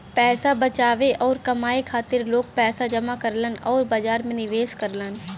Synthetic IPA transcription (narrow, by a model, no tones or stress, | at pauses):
pɛːsabɐt͡ʃaːʋeʔɔːɾkɐmaːekʰaːt̪ɪɾloːɡ̚pɛːsad͡ʒɐmakɐɾlənɔːɾbad͡ʒaːɾmẽnɪʋeːskəɾlən